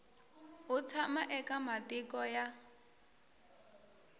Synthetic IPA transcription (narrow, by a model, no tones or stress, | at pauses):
ʊt͡sʰamaʔɛkʼamatʼɪkʼɔja